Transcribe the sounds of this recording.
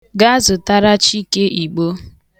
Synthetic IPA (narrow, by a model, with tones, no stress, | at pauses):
ɡa˦zʊ˨ta˦ɾa˦t͡ʃi˦ke˦ʔi˨ɡ͡bo˦